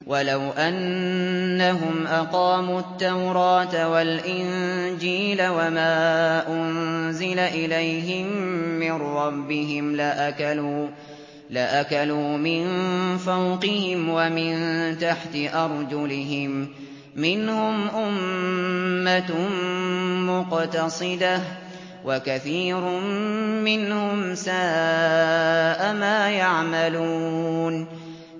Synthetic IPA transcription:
wʔalawʔanː | aɦʊmʔaqɑːmuːt̪ːawɾˤɑːt̪awalʔɪnd͡ʒiːlawamaːʔʊnzɪlaʔɪlajɦɪmmmːɪnɾɑbːɪɦɪmlaʔakaluː | laʔakaluːmɪnfawqɪhɪmwamɪnt̪aħt̪ɪʔɑɾˤd͡ʒʊlɪɦɪmː | ɪnhʊmʔʊmː | a | mʊqt̪ɑsˤɨd̪a | wakaθiːɾʊmɪnhʊmsaː | ʔamaːjaʕmaluːn

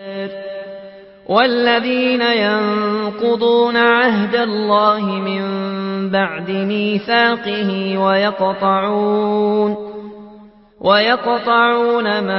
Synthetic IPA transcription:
ɾ | wʔalːaðiːnajɑnqʊd̪ˤuːnaʕaɦd̪alːɑːhɪmɪmbaʕd̪ɪniːfaːqɪhɪwajɑqt̪ˤɑʕuːn | wʔajɑqt̪ˤɑʕuːnama

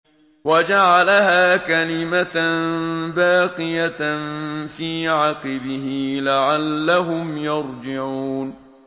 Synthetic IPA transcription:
wad͡ʒaʕalaɦaːkalɪmat̪nbaːqɪjanfiːʕɑqɪbɪɦɪlaʕalːaɦʊmjɑɾˤd͡ʒɪʕuːn

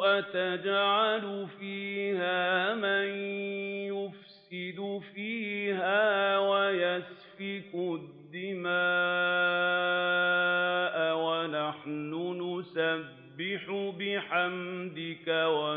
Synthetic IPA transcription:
wat̪ad͡ʒʕalʊfiːhaːmanjʊfsɪd̪ʊfiːhaːwajas | fɪkʊd̪ːɪmaː | ʔawanaħnʊnʊsabːɪħʊbɪħamd̪ɪkawa

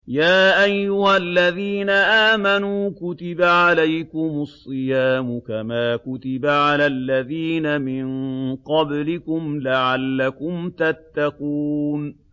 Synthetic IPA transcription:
jaːʔajːʊhalːaðiːnaʔaːmanuːkʊt̪ɪbaʕalajkʊmʊsˤːɨjaːmʊkamaːkʊt̪ɪbaʕalalːaðiːnamɪnqɑblɪkʊmlaʕalːakʊmt̪at̪ːaquːn

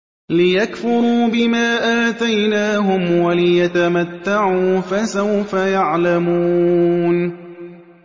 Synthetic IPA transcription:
lɪjakfʊɾuːbɪmaːʔaːt̪ajnaːɦʊmwalɪjat̪amat̪ːaʕuːfasawfajaʕlamuːn

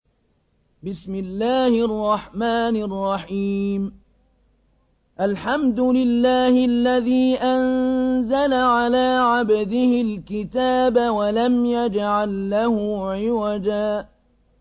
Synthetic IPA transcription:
bɪsmɪlːaːhɪʔɑrˤːɑħmaːnɪrˤːɑħiːm | ʔalħamd̪ʊlɪlːaːhɪlːaðiːʔanzalaʕalaːʕabd̪ɪhɪlkɪt̪aːbawalamjad͡ʒʕalːahʊʕɪwad͡ʒaː

